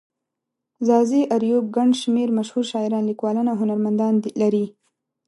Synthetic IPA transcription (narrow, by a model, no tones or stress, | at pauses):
zɑziʔaɾjob̚ɡaɳɖʃmeɾmaʃhuɾʃɑɪɾɑnlikwɑlənaɦʊnaɾmand̪ɑnlaɾi